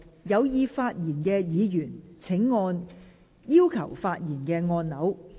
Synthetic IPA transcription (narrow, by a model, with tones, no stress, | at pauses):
jɐ˨˧wjiː˧faː˧t̚jiː˨˩nkɛː˧jiː˨˧jyː˨˩nt͡sʰɪ˨˥ŋːɔː˧n | jiː˥wkʰɐ̰˨˩wfaː˧t̚jiː˨˩nkɛː˧ŋɔː˧nnɐ˨˥w